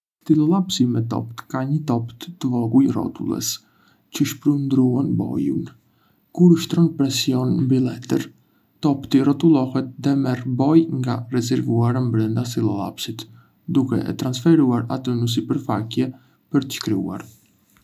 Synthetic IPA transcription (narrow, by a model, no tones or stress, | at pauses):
t̪ilˠɔlˠapsimɛt̪ɔ̰pt̪kaɲət̪ɔpt̪t̪əvɔɡujrɔ̰t̪ṵlˠɛ̰s | cəʃpɾund̪ɾuanbɔ̰jṵn | kuɾuʃt̪ɾɔnpɾɛsiɔnmbilˠɛt̪ə̰ɾ | t̪ɔpt̪irɔt̪ulˠɔhɛt̪̚ðɛmɛrbɔjŋɡarɛzɛɾvuaɾambɾɛnd̪asilˠɔlˠa̰psit̪ | d̪ukɛ̰ʔɛ̰t̪ɾansfɛɾuaɾa̰t̪ənəs̬ipəɾfakjɛ | pəɾt̪ə̥ʃkɾiṵa̰ɾ